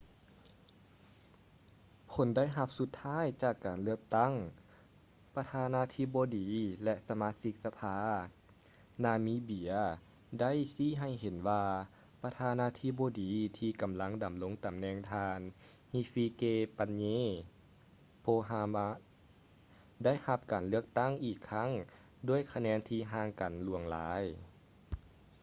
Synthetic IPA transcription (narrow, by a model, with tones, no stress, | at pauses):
pʰo˨˦nda˦˥˨jɦa˧p̚su˧˦t̪ʰːaː˥˨jt͡ɕaː˧˩kːaː˨˩nlɯ˧˩əp̚t̪a˥˩˨ŋ | pa˧t̪ʰaː˧naː˧˥t̪ʰi˧˥boː˧diː˨˦lɛ˧sa˧maː˧˥si˧˥k̚sa˧pʰaː˧˥ | naː˧miː˧˦bi˨˩˦ə | da˥˨jsiː˧˥˨ɦa˧˩jɦe˨˩˦nwaː˧ | pa˧t̪ʰaː˧naː˧˥t̪ʰi˧˥boː˧diː˨˦t̪ʰiː˧ka˨˩mla˧˥ŋda˨mlo˧˥ŋt̪a˨mnɛː˧˩ŋt̪ʰaː˧n | hi˧˥fiː˧keː˧pa˧nɲeː˧ | pʰoː˧ɦa˧ma˧˥ | da˥˨jha˧˦p̚kaː˨˩nlɯ˥˩ək̚t̪a˥˩˨ŋʔiː˧˩kʰːa˧˥˩ŋ | du˧˩əjkʰa˧nɛː˧˥nt̪ʰiː˧ɦaː˧˥ŋka˨˩nlu˧˩əŋla̰ː˨˦j